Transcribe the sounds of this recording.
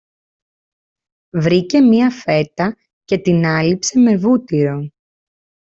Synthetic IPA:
vɾice̞miɐfe̞t̪ɐ | ce̞t̪inɐlipse̞me̞vut̪iɾo̞

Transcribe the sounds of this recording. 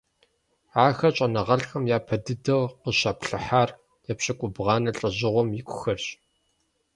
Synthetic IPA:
ʕaːxɐɕʼɐnɐʁɐɬxɐmjaːpʰɐdɨdɐwqəɕaːpɬɨħaːr | jɛpɕʼɐkʷʼʊbʁɑːnɐɬʼɐʑɪʁʷɔmjɪkʷʰʼʊxɐrɕ

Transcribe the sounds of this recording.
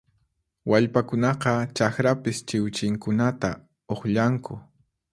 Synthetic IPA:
waʎpakʊnɑqɑt͡ʃakɾapɪst͡ʃɪwt͡ʃɪŋkʊnat̪a | oχʎaŋkʊ

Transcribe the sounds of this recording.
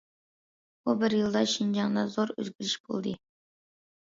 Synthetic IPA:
ubɪɾjɨlˠd̪ɑʃind͡ʒɑŋd̪ɑzoɾɵ̰zɡʲyɾɪʃb̥o̰lˠd̪ɨ

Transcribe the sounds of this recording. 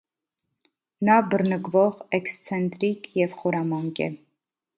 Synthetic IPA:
nɑbərnəkvɔʁɛkst͡sʰɛnt̪ɾikjɛvχɔɾɑmɑŋkɛ̰

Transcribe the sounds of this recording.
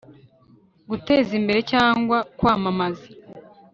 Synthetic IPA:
ɡute̞ːzimbe̞ɾe̞caːŋɡwakwaːmamazi

